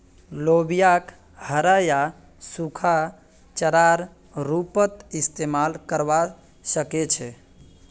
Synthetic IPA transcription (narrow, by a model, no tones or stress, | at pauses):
lobijak | həɾaja | sukʰa | t͡ʃəɾaɾ | ɾupət̪ist̪emalkəɾba | səket͡ʃʰɛ